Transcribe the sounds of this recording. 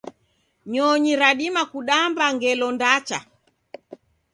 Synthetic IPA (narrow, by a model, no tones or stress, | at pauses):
ɲɔɲiɾaɗimakuɗambaŋɡɛlɔndat͡ʃa̰